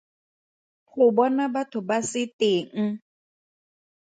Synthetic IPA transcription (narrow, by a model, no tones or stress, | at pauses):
pʰʊbɔnabatʰʊbasɪtʼeːŋ̩